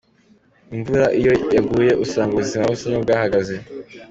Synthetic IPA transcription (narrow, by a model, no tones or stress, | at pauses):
iɱvuɾaʔijo̞jaɡuːje̞ʔusaːŋɡaβuzimaβusiɲobɡaːhaɡaze̞